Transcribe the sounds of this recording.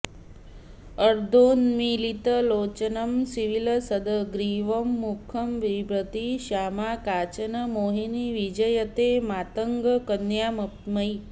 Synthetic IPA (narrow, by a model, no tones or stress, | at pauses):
əɾd̪oːnmilit̪əloːt͡ʃənəmsiʋiləsəd̪əɡɾiʋəmːukʰəmʋibɾət̪iʃaːmakaːt͡ʃənəmoːɦiniʋid͡ʒəjət̪emaːt̪əŋɡəkənjaːmɐp̚t̪məi